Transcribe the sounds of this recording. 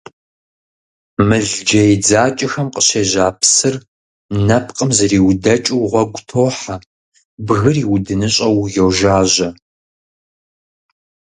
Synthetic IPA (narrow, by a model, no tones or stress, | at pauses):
mɨɮd͡ʒɐjd͡zaːt͡ʃʼɪxɐmqəɕeːʑaːpʰsɨr | nɐpʰqʼəmzɨriːwdɐt͡ʃʼɪwʁʷɔɡʷʊtʰoːħa | bɣɨriːwdɨnɨɕʼɐwjowʒaːʑɐ